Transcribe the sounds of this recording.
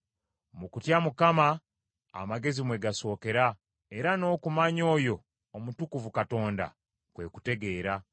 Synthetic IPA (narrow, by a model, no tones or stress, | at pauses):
mukutjamukama | a̰maɡe̞zimwe̞ɡaso̞ːke̞ɾa | e̞ɾano̞ːkumaɲo̞ːjo̞ː | mutukuvukato̞ːnda̰ | kwe̞ku̥te̞ɡe̞ːɾa